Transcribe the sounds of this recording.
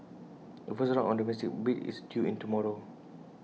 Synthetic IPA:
əfəsɹãŋɔ̃ndəmɛsik̚bitḭsdjuḭ̃ntumɔɹo

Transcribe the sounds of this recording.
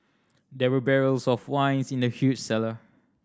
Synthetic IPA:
dɛwəbɛɹəlsɔfwãɪ̃nsĩndəhjut͡ʃsɛlə

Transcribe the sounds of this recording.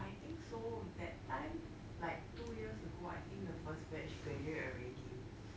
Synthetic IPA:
ajt̪ĩŋksodɛtːãɪ̃m | laɪk̚tujiəsəɡoajt̪ʰĩŋk̚dəfəsbɛt͡ʃkəjəəɹẽd͡ʒĩ

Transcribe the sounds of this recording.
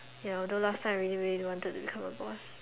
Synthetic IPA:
jadolastʰãɪ̃mɹilimeiwɔ̃ntəd̚tubikʰãməbɔs

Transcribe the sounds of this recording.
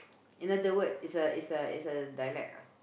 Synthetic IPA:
ĩnadəwətisəisəḭsədajlɛ̰k̚

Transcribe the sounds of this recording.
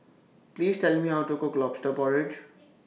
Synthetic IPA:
pliːzʈɛlmiawʈokoɡlɔpsʈəbɔɹed͡ʒ

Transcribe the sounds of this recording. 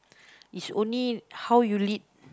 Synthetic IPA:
ʔisõnlihawjulit̚

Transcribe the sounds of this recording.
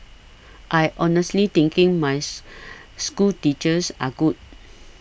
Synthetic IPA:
ʔajʔɔnəstlit̪ĩŋkĩŋmaj | skultit͡ʃəsa̰ɡud̚

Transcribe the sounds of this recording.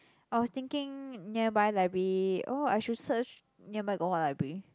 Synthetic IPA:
ʔajwɔst̪ɪ̃ŋkɪ̃ŋnibajlabɹioajʃudsət͡ʃ | nibajɡohɔlabɹi

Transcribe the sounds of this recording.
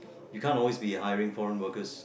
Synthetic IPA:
jukʰãntɔlwisbihajəɹɪ̃ŋfɔɹə̃nwəkəs

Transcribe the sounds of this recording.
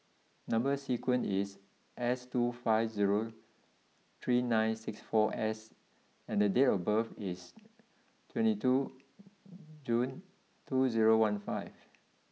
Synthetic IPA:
nãmbəsikwə̃nis | ʔɛstufaɪfziɹo | t̪ʰɹinãɪ̃nsɪksfɔʔɛs | ɛ̃ndədetəbavis | tʰwɛ̃ntitʰu | d͡ʒũn | tʰuziɹowãnfaɪv

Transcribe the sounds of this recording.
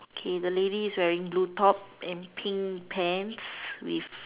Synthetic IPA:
okʰedəlediːswɛɹĩŋblutɔp̚ɛ̃npʰĩŋpʰɛ̃nswḭf

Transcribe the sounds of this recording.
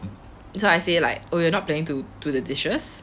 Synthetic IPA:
soaɪsela̰ɪk̚ojuənɔt̚pleɪ̃ŋtutudədɪst͡ʃəs

